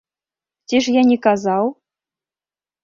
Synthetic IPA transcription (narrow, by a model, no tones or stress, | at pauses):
tʲiʐjanʲikazɑwˠ